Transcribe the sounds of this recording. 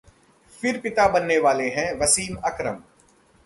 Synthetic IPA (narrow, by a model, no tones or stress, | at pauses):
fɪɾpɪt̪abɐnːeʋaːleɦɛ̃ːʋɐsiːmɐkɾə̰m